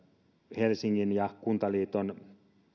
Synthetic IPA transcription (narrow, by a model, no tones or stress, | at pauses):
helsiŋːinjɑkunt̪ɑliːt̪on